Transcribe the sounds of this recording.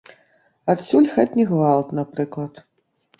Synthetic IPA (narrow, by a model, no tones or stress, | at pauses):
at̪sʲulʲxatʲnʲiɣvalˠt̪napɾɨklˠɐt̪